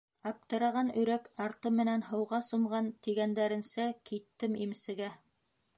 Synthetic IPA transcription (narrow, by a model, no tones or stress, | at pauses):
ɑp̚t̪ɤ̆ɾɑʁɑnɵ̆ɾækɑɾt̪ɤmːɘ̆nænhɤ̆wʁɑsŏmʁɑnt̪iɡænd̪æɾɘ̆nsækit̪ːɘmimsɘ̆ɡæ